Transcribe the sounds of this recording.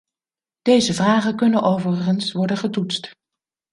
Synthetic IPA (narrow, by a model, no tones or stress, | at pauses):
d̥ejzəvraːχəkɵnənʔowvərχənsʋɔɹdənχətutst